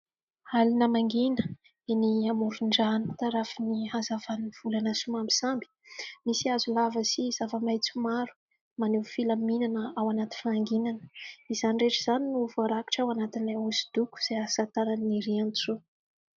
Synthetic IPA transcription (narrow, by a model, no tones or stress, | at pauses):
alinəmaŋɡinə̥ | eniamuɾuɳɖ͡ʐanit̪aɾafiniɦazavaniv̥ulanasumambisambi̥misiazulavəsiz̥avəmajt͡sumaɾu̥ | manewfilaminanəawanat̪i̥faaŋɡinanə̥iz̥anireʈ͡ʂəz̥aninuvaɾaki̥ʈ͡ʂawanat̪inleusi̥d̪̥uku̥z̥easat̪aɾaniɾiant͡su